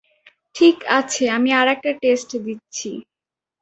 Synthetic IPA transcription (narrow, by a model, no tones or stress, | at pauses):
ʈʰikat͡ɕʰeamiaɾɛk̚ʈaʈesʈd̪itːɕʰi